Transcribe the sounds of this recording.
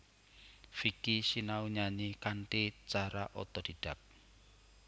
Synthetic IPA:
fikisinauɲaɲikaɳʈit͡ʃaɾaʔɔ̰t̪ɔd̪̥i̤ɖ̥a̤p̚

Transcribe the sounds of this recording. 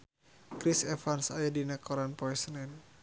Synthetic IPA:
kɾisɛfansajadinakɔɾanpɔɛsənɛn

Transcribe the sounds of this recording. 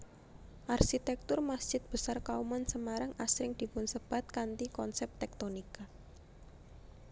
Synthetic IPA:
ʔarsit̪ɛk̚t̪ʊrmasd̥ʒ̥ɪt̪̚b̥ə̤sarkaumansəmaɾaŋʔasɾɪŋd̪̥i̤pʊnsəb̥a̤t̪̚kant̪ikɔnsɛp̚t̪ɛk̚t̪onika

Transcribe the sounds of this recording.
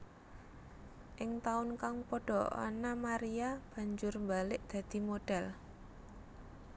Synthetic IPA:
ʔɪŋt̪aʊnkaŋpoɖ̥ɔ̤a̰namaɾijab̥a̤ɲd͡ʒʊrmbalɪʔd̪̥a̤d̪̥i̤moɖ̥ɛl

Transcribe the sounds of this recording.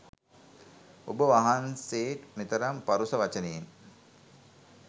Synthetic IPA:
o̰bəʋaɦanseːʈmit̪əɾampaɾusəʋat͡ʃəneːn

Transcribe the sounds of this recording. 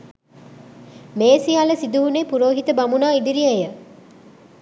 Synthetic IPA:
meːsiaːləsid̪uɦunepuɾoːɦit̪əbɐmunaːid̪iɾiɐjə

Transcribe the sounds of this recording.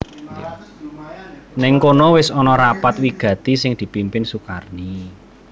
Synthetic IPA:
j̰ | nɪŋkonɔwɪsɔnɔɾapat̪̚wiɡ̥ä̤t̪isɪŋd̪̥i̤pimpɪnsukarni

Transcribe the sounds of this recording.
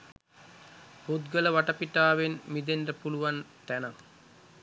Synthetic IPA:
put̪ɡələʋaʈɐpiʈaːʋenmid̪enrəpuluʋant̪ænaŋ

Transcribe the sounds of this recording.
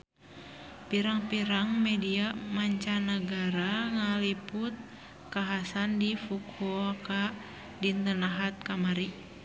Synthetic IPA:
piɾaŋpiɾaŋmɛdiamaɲt͡ʃanaɡaɾaŋaliput̪̚ | kaɦasandifukʰuaka | dint̪ənaɦat̪̚kamaɾi

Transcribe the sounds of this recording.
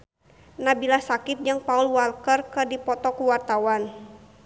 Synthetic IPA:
nabilasakɪp̪̚d͡ʒɨŋpaulwalkərkədipɔt̪ɔkuwart̪awan

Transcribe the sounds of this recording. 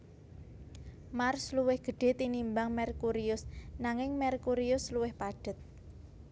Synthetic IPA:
marsluwɪhɡ̥ə̤ɖ̥e̤t̪inimbaŋmɛrkuɾiʊsnaŋɪŋmɛrkuɾiʊsluwɪhpaɖ̥ə̤t̪̚

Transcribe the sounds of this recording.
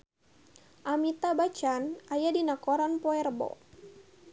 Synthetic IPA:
ʔamit̪abat͡ʃanʔajadinakoɾanpɔɛrbɔ̰

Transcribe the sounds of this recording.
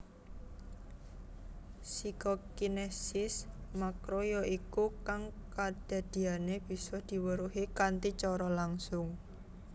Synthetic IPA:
sikokinesɪsmakɾojɔʔikukaŋkad̪̥a̤d̪̥i̤aneb̥i̤sɔhd̪̥i̤wəɾuɦikant̪it͡ʃɔɾɔlaŋsʊŋ

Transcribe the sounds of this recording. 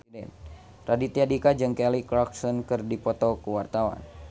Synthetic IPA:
dɛ̰n | radit̪iadikad͡ʒɨŋkɛlikɾɔksɔnkɨrdipɔt̪ɔkuwart̪awa̰n

